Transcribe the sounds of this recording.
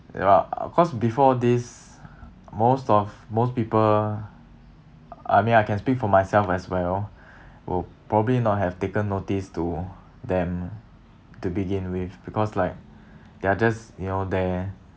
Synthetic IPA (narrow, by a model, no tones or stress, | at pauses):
ɛ̰ɔ̰fkʰɔsbifɔdis | mostɔfmospipəl | a̰jmĩnaɪjkʰɛ̃nspik̚fɔmajsɛlfɛswɛl | wʔḭpɹɔbəblinɔt̚ɦɛftekə̃nːotistu | d̪ɛ̃m | tubiɡĩnwifbikʰɔslaɪk̚ | d̥ead͡ʒasjunodɛ